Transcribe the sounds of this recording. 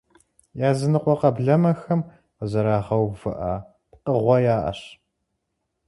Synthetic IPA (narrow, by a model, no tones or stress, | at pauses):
jaːzɨnɨqʷʼɔqɐbɮɐmɐxɐm | qəzɐɾaːʁɐwvɨ̰ʔa | pqəʁʷɔjaːʔɐ̰ɕ